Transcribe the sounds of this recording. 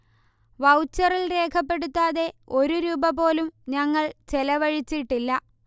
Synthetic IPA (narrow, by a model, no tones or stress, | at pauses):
ʋɐwt͡ɕːɐrilre̞ːkʰɐpːe̞ɽut̪ːaːðe̞o̞ɾuɾuːbɐp̬o̞ːlumɲɐŋːɐɭt͡ɕelɐʋɐɻit͡ɕːiʈːilːɐ